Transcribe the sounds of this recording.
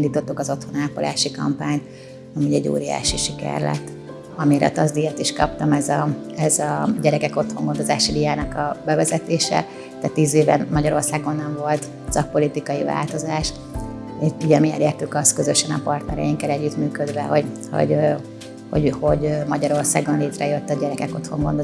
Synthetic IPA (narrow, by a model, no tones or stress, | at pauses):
ind̪iːt̪o̞t̪ːukɒzo̞t̪ho̞naːpolʔa̰ːʃikɒ̰mpaːɲt̪ | ɒmuːɟɛɟːo̰ːɾija̰ːʃiʃikɛ̰rlɛ̰t̪ː | ɒmiɾɛ̰t̪ɒzd̪ijɛt̪iʃkɒ̰p̚t̪ɒmɛzɒɛzɒɟɛɾɛkɛko̞t̪ho̞ŋɡo̞nd̪o̞zaːʃid̪ijaːnɒkɒbɛvɛzɛt̪eːʃɛ̰ | t̪ɛt̪ːiːzeːvɛ̰nmɒɟɒɾo̞rsaːɡo̞nːɛɱvo̞lt̪ | sɒk̚po̞lit̪ikɒjiva̰ːlt̪o̞zaːʃ | euɟɛmiɛ̰leːrt̪ykɒskø̞zø̞ʃɛnɒpɒrt̪nɛɾɛjiŋkɛlɛɟːyt̪myːkød̪ʋɛho̞ɟho̞̰ɟ | ho̞̰ɟho̞ɟmɒɟɒɾo̞rsaːɡonleːt̪rɛjøt̪ːɒɟɛɾɛkɛko̞t̪ho̞ŋɡo̞nd̪o